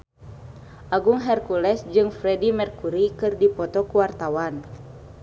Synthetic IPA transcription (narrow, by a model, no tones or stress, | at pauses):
ʔaɡuŋɦɛrkulɛsd͡ʒɨŋfɾɛdimɛrkuɾikɨrdipɔt̪ɔkuwart̪awan